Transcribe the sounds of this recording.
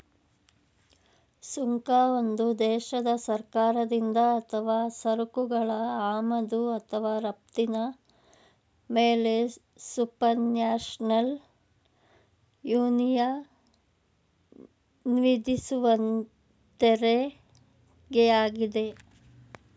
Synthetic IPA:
suŋkaːond̪ud̪ɛːʃɐd̪ɐsɐɾkaːɾɐd̪ind̪ɐːt̪ʰɐʋaːsɐɾukuɡɐɭɐaːmɐd̪uɐt̪ʰɐʋaːɾɐp̚t̪inɐ | meːle̞ | supɐɾnjaːʃnɐl | juːnijɐ | nʋid̪ʱisuʋɐn | t̪eɾe | ɡejaːɡid̪e̞

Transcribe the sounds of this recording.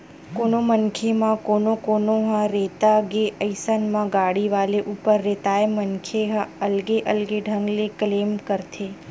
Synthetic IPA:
konomənkʰemãkonokonoɦãɾet̪aɡeʔəjsənmãɡaɽiʋaleʔupəɾːet̪aemənkʰeɦãəlɡeʔəlɡeɖʱəŋɡleklemkəɾt̪ʰe

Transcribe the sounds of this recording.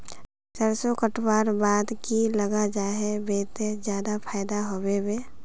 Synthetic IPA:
t͡ʃəɾsokəʈwaːɾbaːd̪kiləɡad͡ʒaːɦebeːt̪ed͡ʒjaːd̪apʰaːɪd̪aɦowebeː

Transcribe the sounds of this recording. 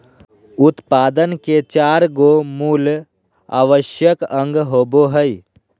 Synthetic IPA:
ʊt̪paːd̪ənket͡ʃaːɾɡomuːl | a̰ːʋəʃjəkə̃ŋɡɦoːboɦəi

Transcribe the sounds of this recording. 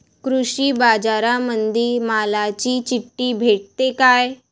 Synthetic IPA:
kɾuɕiːbad͡zaɾamənd̪ʱiːmalat͡ɕiːt͡ɕiʈːiːbʱeʈ̚t̪ekaj

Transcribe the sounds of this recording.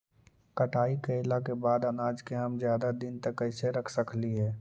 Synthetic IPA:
kəʈaːikəɪlakebaːd̪ənaːd͡ʒkeɦɐmzjaːd̪ad̪ɪnt̪əkːəɪseɾəkʰsəkliɦɛː

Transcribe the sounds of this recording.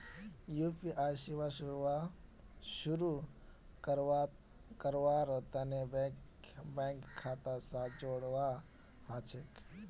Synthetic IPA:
jupiʔajsiwaɾa | ʃuɾukəɾ | kəɾʋaɾət̪əneb | bɛŋkʰːat̪asad͡ʒoɽʋa | hãt͡ʃʰek

